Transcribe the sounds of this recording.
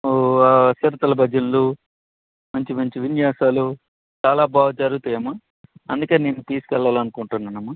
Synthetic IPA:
sɐɾɐt̪ɐlɐbʱɐd͡ʒɐnlu | mɐɲt͡ʃimɐɲt͡ʃiʋinjaːsaːlu | t͡ʃaːlaːbʱaːʋɐd͡ʒɐɾɡut̪ɐjɐmɐ | ɐ̰nd̪ukeːneːnːut̪iːsu̥kɛɭːaːlɐnukuɳʈunːaːnɐmːɐ

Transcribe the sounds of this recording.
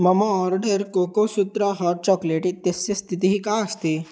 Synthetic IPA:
məmoɔɾɖəɾkokosut̪ɾaɦɔɾt͡ɕɔkleʈit̪est͡ɕest̪ʰit̪iɦiːkaəst̪i

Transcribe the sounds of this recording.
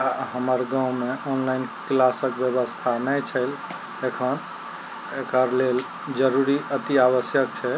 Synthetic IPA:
aɦəməɾɡãw̃meʔonlainklasəkbjəβəst̪ʰanəjt͡ʃʰəɪl | ekʰən | ekəɾlel | d͡ʒəɾuɾiət̪iaβəsjək̚t͡ʃʰɛ

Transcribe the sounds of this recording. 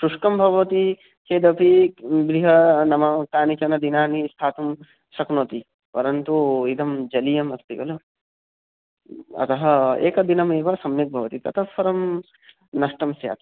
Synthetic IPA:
sɾuʂkɐmbʱɐʋɐʋɐt̪i | keːd̪ɐpibɾiɦɐnɐmɐk̪aːnit͡ʃɐnɐd̪inaːnist̪ʰaːt̪um | sɐknɐt̪i | pɐɾɐnt̪uid̪ɐmd͡ʒɐlijɐmɐst̪ikɐlu | ɐ̰t̪ɐɦɐḛːkɐd̪inɐmeːʋɐsɐmjɐk̚bʱɐʋɐt̪it̪ɐ̰t̪ʰɐpːɐɾɐm | nɐʂʈɐmsja̰ːt̪ɐ

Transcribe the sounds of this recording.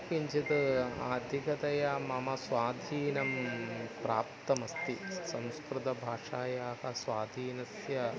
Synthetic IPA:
kiɲt͡ʃit̪ɨa̰ːd̪ʱikɐt̪ɐjɐmɐmɐsʋaːd̪ʱiːnɐmpɾaːpt̪ɐmɐst̪isɐ̃w̃skɾut̪ɐbʱaːʂaːjaːhɐsʋaːd̪ʱiːnɐsjɐ

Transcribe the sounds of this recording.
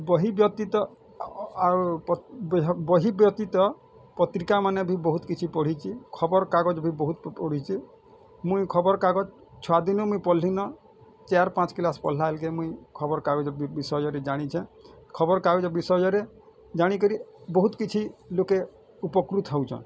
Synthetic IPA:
bɔɦibjɔt̪it̪ɔ | bɔɦibjɔt̪it̪ɔ | pɔt̪ɾikamanebʱibɔɦut̪kit͡ʃʰipɔɽ̤it͡ʃʰikʰɔbɔɾkaɡɔd͡ʒbʱibɔɦut̪pɔɽ̤it͡ʃʰi | mũikʰɔbɔɾkaɡɔd͡ʒ | t͡ʃʰɔad̪inumũĩpɔlːinɔ | t͡ʃeaɾpãt͡ʃkilaspɔ̰l̤aɦelkemũĩkʰɔbɔɾkaɡɔd͡ʒɔbisɔjɔɾed͡ʒaɽ̃it͡ʃʰɛ̃ | kʰɔbɔɾkaɡɔd͡ʒɔbisɔjɔɾe | d͡ʒaɽ̃ikɔɾibɔɦut̪kit͡ʃʰiloke | upɔkɾut̪ʰɦɔwt͡ʃʰɔ̰̃

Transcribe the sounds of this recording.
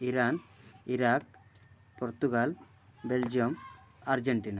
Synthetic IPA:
iɾaːniɾaːk | pɔɾt̪uɡaːl | beld͡ʒijɐmɐɾd͡ʒeɳʈiːna

